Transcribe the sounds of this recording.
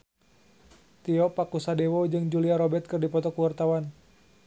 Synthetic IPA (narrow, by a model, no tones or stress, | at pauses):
t̪iɔpakusadɛwɔd͡ʒɨŋd͡ʒuliaɾɔbɛt̪̚kɨrdipɔt̪ɔkuwart̪awan